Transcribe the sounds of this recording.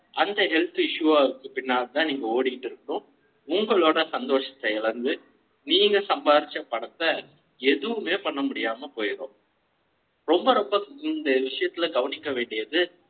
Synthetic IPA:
ʔɐnd̪ɐɦɛlt̪ɯɪʂɯʋaːʋɯkːɯpɪnːaːlt̪ãːniːŋɡɐoːɽɪkɪʈːɪɾɯkːɯɽõː | ʊŋɡɐɭoːɽɐsɐnd̪oːʂɐt̪ːɐɪɭɐnd̪ɯ | niːŋɡɐsɐmbaːɾɪt͡ʃːɐpːɐɽɐt̪ːɐ | ɛðɯʋɯmeːpɐɳːɐmʊɽɪjaːmɐpoːjɪɾõ̰ː | ɾɔmbɐɾɔmbɐɪnd̪ɐʋɪʂɐjɐt̪ːɪlɐɡɐʋɐnɪkːɐʋeːɳɖɪjɐðɯ

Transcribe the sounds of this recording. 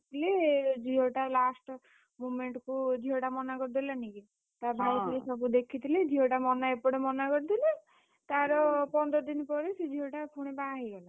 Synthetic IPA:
t̪ʰled͡ʒiɦoʈalasʈ | mumeɳʈkud̪ʱiɦoʈamɔnakɔɾd̪ilaniki | t̪abʱajpiɾisɔbud̪ekʰit̪ʰiled̪ʱiɦoʈamɔnaepɔɽemɔnakɔɾt̪ile | t̪aɾɔpɔnd̪ɾɔd̪inpɔɾesed͡ʒʱiɦoʈakʰuɽ̃ebaɦiɡɔla

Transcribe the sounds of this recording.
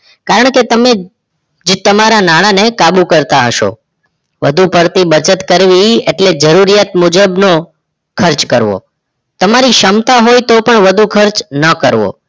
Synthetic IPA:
kaɾəɳ̃ket̪əme | d͡ʒt̪əmaɾanaɽ̃anekabukəɾt̪aɦəʃo̰ | ʋəd̪ʱupəɾt̪ibəɾt͡ʃət̪kəɾʋieʈled͡ʒəɾuɾijat̪mud͡ʒəbno | kʰəɾt͡ʃkəɾʋo̰ | t̪əmaɾiʃəmt̪aɦojt̪opəɳʋəd̪ʱukʰəɾt͡ʃnəkəɾʋo̰

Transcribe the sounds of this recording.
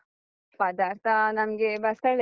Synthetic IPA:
pɐd̪aːɾt̪ʰanɐmɡebɐst̪ɐɭ

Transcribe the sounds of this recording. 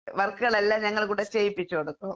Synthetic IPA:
ʋerkːɨɣɐɭelːaɲɐŋːɐɭkuːɽet͡ɕeːjipːit͡ɕːukɐɽukːo

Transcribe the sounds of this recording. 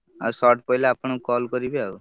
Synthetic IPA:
a̰sɔʈpɔilaːpɳ̃ũkɔlkɔɾibiau

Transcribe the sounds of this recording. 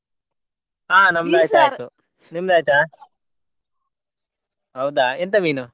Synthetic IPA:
aːnɐmːd̪aːj̪aːt̪u | nimd̪aːjt̪a | ɦɐwd̪aːent̪ɐʋiːnu

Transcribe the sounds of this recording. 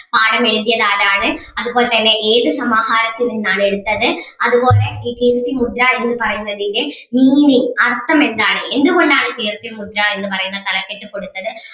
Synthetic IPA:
paːɽɐmɛɽɯðɪjɐðaːɾaːɳɯ | ɐðɯpoːlɐt̪ɐnːeʔeːðɯsɐmaːɣaːɾɐt̪ːɪlɯnnaːnɛɽɯt̪ːɐðɯɐðɯpoːlɐkikiːɾt̪ːimʊd̪ɾaːɭɛnd̪ɯpɐɾɐjɪɾɐðɪŋɡe | miːniɐrt̪ːɐmɛnd̪aːɳɯɛnd̪ɯkɔɳɖaːnɯkiːɾt̪ːimʊd̪ɾaːɭɛnd̪ɯpɐɾɐɣɪnɐt̪ɐlɐkːɛʈːɯkːɔɽɯt̪ːɐðɯ

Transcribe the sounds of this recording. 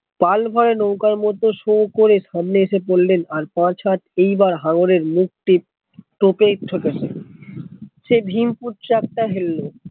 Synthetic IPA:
palbʱɔɾenowkaɾmɔt̪oʃokoɾeʃamneeʃepolːenaɾpãt͡ɕɦat̪ʰejbaɾɦãŋoɾeɾmuk̚ʈi | ʈopeʈʰoket͡ɕʰḛ | ʃebʱimpuʈt͡ɕak̚ʈaɦelːo

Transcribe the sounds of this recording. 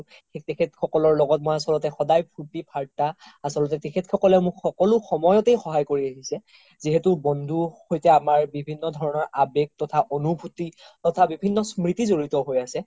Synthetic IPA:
etekʰetxʰɔkɔlɔɹlɔɡɔt̚mojasɔlɔtɛxɔdajpʰutipʰaɹtaasɔlɔtɛtekʰetxʰɔkɔlɛmʊkxɔkɔlʊxɔmɔjɔtejxɔɦajkoɹiaɦisɛ | ziɦɛtubɔndʱuhojtɛamaɹbibʱinːɔdʱɔɹɔnɔɹabeɡ̚tɔtʰaʔonubʱutitɔtʰabibʱinːɔsmɹitizoɹitɔɦojasɛ

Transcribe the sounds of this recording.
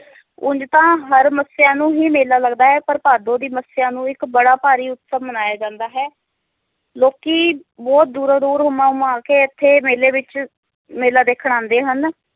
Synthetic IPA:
ʊ̰̃ɲd͡ʒt̪ãːɦəɾməsjãːnũːɦiːmeːlaːləɡd̪aːɦɛːpəɾpaːd̪õːd̪iːməsɪjãːnũːɪkbəɽaːpaːɾiːʊt̪səmənaːjaːd͡ʒãːnd̪aːɦɛː | loːkiː | bɔːt̪̚d̪uːɾad̪uːɾɦʊmãːumãːkeːɪt̪ʰːeːmeːleːʋɪt͡ʃ | meːlaːd̪eːkʰɽãːnd̪eːɦən

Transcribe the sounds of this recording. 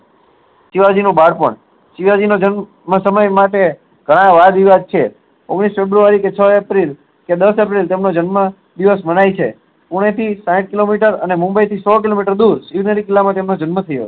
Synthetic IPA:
ʃiʋad͡ʒinũbaɽpə̰ɳ | ʃiʋad͡ʒinod͡ʒən | məsəməjmaʈe | ɡ̥ʱəɽ̃ãʋad̪iʋad̪̚t͡ʃʰe | o̰ɡɽ̃isfebɾuʋaɾiket͡ʃʰəepɾil | ked̪əsepɾilt̪emnod͡ʒənmə | d̪iʋəsmənajt͡ʃʰḛ | puɽ̃et̪ʰisãʈ̚kilomiʈəɾənemũmbəjt̪ʰisɔk̬ilomiʈəɾd̪uɾsiʋnəɾikɪlːamãt̪emnod͡ʒənmət̪ʰəjo̰

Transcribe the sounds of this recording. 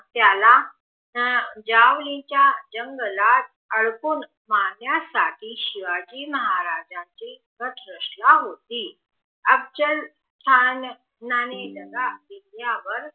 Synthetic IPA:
t̪jala | d͡ʑaʋlĩt͡ɕjad͡ʑəŋɡlat̪̚ | əɭkuːn | maɡjasa̰ʈʰiːɕiʋad͡ʑiːməɦaɾad͡ʑãt͡ɕi | ɡət̪ɾəʂlaɦot̪i | əb̚d͡ʑəl | t̪ʰanː | aned͡zəɡadinjaʋəɾ

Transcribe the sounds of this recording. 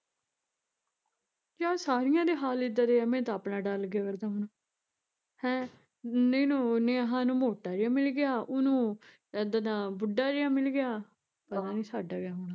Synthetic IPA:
d͡ʒaːsaːɾɪjãːd̪eːɦaːlɪd̪əɾeɛːmɛ̃ːt̪aːpɳaːɖalɡɪjaːkəɾd̪aːɦonaː | hɛ̃ː | neːnũːneãɦãːnũːmoːʈaːɾɪjãːmɪlɡɪjaːʊnũː | d̪ənãːbʊɖːaːɾɪjãːmɪlɡɪjaː | pəəɾãːnĩːsaːɖaːɡɪjaːɦoːɳaː

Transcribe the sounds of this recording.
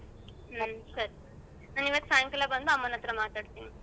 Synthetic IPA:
nansɐɾi | naːniʋaːt̪saːjŋkɐlabɐnd̪uɐmːɐnɐt̪ɾɐmaːt̪aːɖt̪iːni

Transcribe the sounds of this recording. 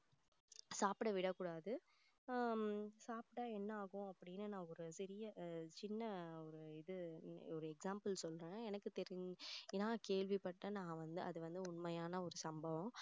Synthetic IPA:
saːpɽɐʋɪɽɐkːuːɽaːðɯ | saːpʈaːɛnːɐaːɣʊ̃ɐpːɐɽɪjnːɯnãːɔɾɯsɪɾɪjɐt͡ʃɪnːɐɔɾɯɪðɯɔɾɯɛksaːmpɐlsɔlɾẽːɛnɐkːɯt̪ɛɾɪŋɛnãːkeːɭʋipɐʈːɐnãːʋɐnd̪ɯɐðɯʋɐnd̪ɯʊɳmɐjaːnɐɔɾɯsɐmbɐʋɐ̃

